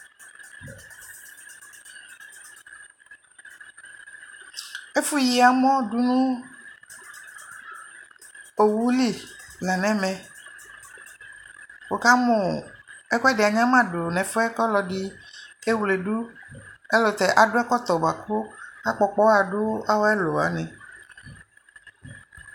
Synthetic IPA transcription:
e˦fu˦ji˨a˨mɔ̃˦ɖu˦nũ˦ | o˨wu˦li˦la˨nɛ̃˦mɛ̃˨ | wo˨ka˦mo˨ɛ˦ku˦ɛ˦de˨a˨ɲã˦mã˦ɖo˨nɛ̃˨fo˦ɛ˦kɔ˦lɔ˨ɖi˦ | e˦wu˨le˨ɖu˦e˦lo˨t̪ɛ˨ʔa˨ɖo˦a˦kɔ˦t̪ɔ˨ba˨ko˦a˦k͡pɔ˨k͡pɔ˦a˨ɖo˦a˦wo˦ɛ˦lo˨a̰˨nɛ̃˨

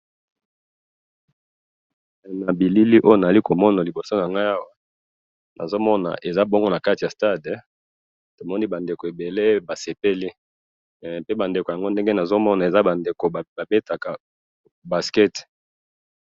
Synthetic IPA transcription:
na˨bi˨li˦li˦ʔo˦jo˨na˨za˨li˦ko˨mɔ˦na˨li˨bo˨so˦n˨a˨ŋɡa˦ja˦wa˨ | nʔa̰˨zo˦mɔ˦na̰˨ʔe˨za˦bɔ˦ŋɡo˦na˨ka˦ti˨a˨sta˦d | to˨mɔ˦ni˦ba˨nde˨ko˨e˨be˨le˦ba˨se˨pe˦li˦˨ | pe˦ba˨nde˨ko˨ja˨ŋɡo˦nde˦ŋɡe˦na˨zo˦mɔ˦na˨e˨za˦ba˨nde˨ko˨ba˨be˦ta˨ka˨ | ba˨skɛ˦t

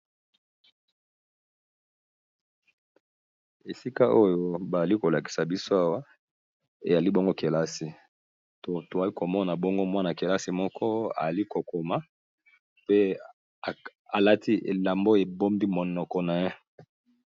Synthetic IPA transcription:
e˨si˦ka˦ʔo˦jo˦ba˨za˨li˦ko˨la˨ki̥˨sa˨bi˦so˦a˦wa˦ | e˨ja˨li˦bo˦ŋɡo˦ke˨la˦si˨ | to˨to˨a˨li˦ko˨mɔ˦na˨bɔ˦ŋɡo˦mwa˦na˨ke˨la˦si˨mɔ˦kʰɔ˦a̰˨za˨li˦ko˨ko˨ma˦ | pe˦˨ | a˨la˦ti˦ḛ˨la˨mbo˦e˨bo˦mbi˦mɔ˨nɔ˨kɔ˨na˨je˦

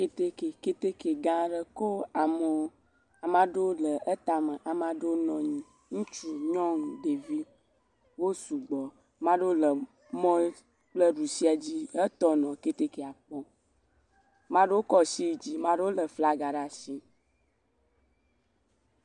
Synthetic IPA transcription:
ke˦t̪e˦ke˨ke˦t̪e˦ke˨ɡã˦ɖə˦ko˦a˨mə˨wo˦ | a˨mã˦ɖe˦wo˦lə˨ʔə˦t̪a˨mə̃˨ʔa˨mã˦ɖo˦nɔ̃˨ɲĩ˨ | ŋũ˦t͡ʃu˦ɲɔ̃˦ŋũ˨ɖe˨vi˦ | wo˦su˨ɡ͡bɔ˨ | mã˦ɖo˦lə˨ | mɔ̃˦ | k͡plə˦ɖu˨si˦a˨d͡ʑi˦ə˦t̪ɔ˦nɔ̃˨ke˦t̪e˦ke˨a˨k͡pɔ˦ | mã˦ɖo˦o˦kɔ˦si˦d͡ʑi˦mã˦ɖo˦o˦lə˨fla˦ɡa˨ɖa˨si˦

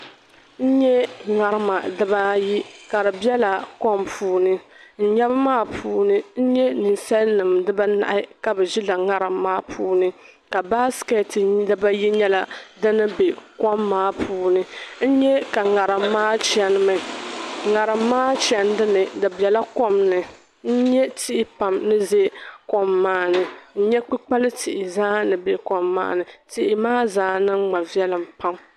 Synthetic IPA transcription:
n̩˦ɲɛ˦ŋa˨ɾɨ˦ma˨dɨ˦ba˦ji˦ka˨dɨ˨bɛ˦la˨kɔ˦mpʰuː˨˦nɨ˦n̩˦ɲɛ˦bɨ˦maː˦pʰuː˦nɨ˦n̩˦ɲɛ˦nɨ˨nsa˦lnɨ˨mdɨ˦ba˦na̰˨ʔɪ˦ka˨bɨ˨ʒi˦la˨ŋa˦ɾɨ˨mːaː˦pʰuː˦nɨ˦ | ka˨ba˦skɛ˨tdɨ˦ba˦ji˦ɲɛ˦la˨dɨ˦nɨ˦be˨kɔ˦mːaː˦pʰuː˦nɨ˦n̩˦ɲɛ˦ka˨ŋa˨ɾɨ˨mː˦aː˦t͡ʃɛ˦n˦mɨ˨ŋa˨ɾɨ˨mː˦aː˦t͡ʃɛ˨ndɨ˦nɨ˨dɨ˨bɛ˨la˦ko˦mnɨ˨ | n̩˦ɲɛ˦tɪ˦ʔɪ˦pa˨mnɨ˦ze˦ko˦mːaː˦nɨ˨n̩˦ɲɛ˦k͡pi˦k͡pa˦lɨ˦tʰɪ˨ʔɪ˨zaː˦nɨ˨be˦kɔ˨mːa̰ː˦nɨ˨tɪ˦ʔɪ˨maː˦zaː˦nɨ˦ŋ͡ma˨vi˦ɛ˦lɨ˨mpa˦m

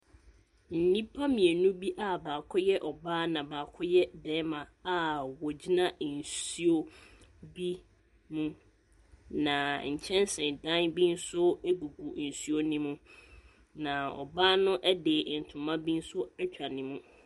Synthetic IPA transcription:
n̩˨nĩ˦pʰa˦mĩ˨e˨nũ˦bi˦ʔa˦baː˨kʰʊ˦jɛ˦ʔɔ˨baː˦nã˨baː˨kʰʊ˦jɛ˦dɛː˨˦mã˨a˨wɔ˨d͡ʑi˦nã˦n̩˨si˦o˦bi˦ | mũ˦ | nã˨ɲ̩˨t͡ɕʰɛ̃˦n˦sɪ̃˨dã˦nbi˦n̩˦sʊ˦e˦ɡu˨ɡu˨n̩˨su˦o˦nĩ˦mũ˦ | nã˨ɔ̰˨baː˦nʊ̃˦ʔɛ˦deː˨n̩˨tʰʊ̃˨mã˦bi˦n̩˦sʊ˦ɛ˦t͡ɕᶣa˨nĩ˦mũ˦

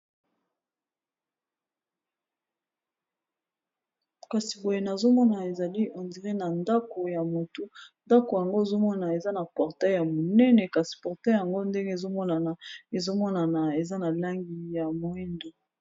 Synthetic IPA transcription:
ka˨si˨bo˨je˨na˨zo˦mɔ˦na˨e˨za˨li˦ʔã˨ndi˨ʁe˦na˨nda˦ko˨ja˨mo˨tu˦nda˦ko˨ja˨ŋɡo˦e˨zo˦mɔ˦na˨e˨za˦na˨pɔ˨ʁtɛ˦˨ja˨mo˨nɛ˦nɛ˨ka˨si̥˨pɔ˨ʁtɛ˦ja˨ŋɡo˦nde˦ŋɡe˦e˨zo˦mɔ˦na˨na˨e˨zo˦mɔ˦na˨na˨e˨za˦na˨la˦ŋɡi˨ja˨mo˨ɛ˦ndo˨

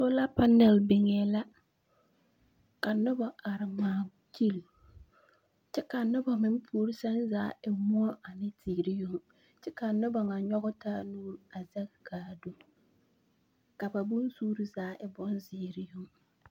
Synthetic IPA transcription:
so˦la˦pa˦nɛ˨lbɪ˨ŋɛ˨la˦ | ka˨nʊ˦ba˨a˨ɾɪ˨maː˨ | t͡ʃi˦˨l | t͡ʃɛ˦ka˨nʊ˦ba˨mɪ˦m˦pʰu˦ɾi˦sɛ˦nzaː˨˦ʔɪ˨mʊ˦ɔ˦ʔa˨nɪ˦tʰiː˨ɾɪ˦jʊ˦ŋ | t͡ʃɛ˦ka˨nʊ˦ba˨ŋa˨ɲɔ˦ɣʊ˦taː˦nuː˦ɾa˨zɛ˦ɡɡaː˨do˦ | ka˨ba˨bʊ˦n˦suː˦ɾi˦zaː˨˦ʔɪ˨bɔ˦nzɪː˨ɾɪ˦jʊ˦ŋ

